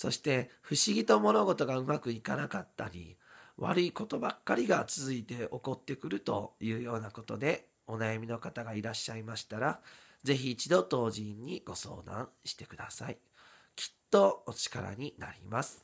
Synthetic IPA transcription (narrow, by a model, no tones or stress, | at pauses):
so̞ɕi̥t̪e̞ɸɯ̟ɕiɡʲit̪o̞mo̞no̞ɡo̞t̪o̞ɡaɯ̟makɯ̟ikanakat̪ːaɾʲḭβa̰ɾɯ̟iko̞t̪o̞bakːaɾʲiɡat͡sɨzɨit̪e̞o̞ko̞t̪ːe̞kɯ̟ɾɯ̟t̪o̞jɯ̟ːjo̞ːnako̞t̪o̞d̪e̞ | o̞najamʲino̞kat̪aɡaiɾaɕːaimaɕi̥t̪aɾa | ze̞çiːt͡ɕid̪o̞t̪o̞ːʑĩɲ̟ːiɡ̥o̞so̞̰ːd̪ã̰ɕi̥t̪e̞̥kɯ̟d̪asai | kʲi̥t̪ːo̞ot͡ɕi̥kaɾa̰ɲ̟ina̰ɾʲḭmasɨ̥